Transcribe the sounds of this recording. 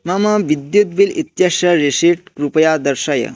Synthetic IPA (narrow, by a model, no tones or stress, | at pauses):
mamaʋid̪jut̪ʋilit̪jaʃɐɾesiʈkɾupəjad̪əɾʃajə̰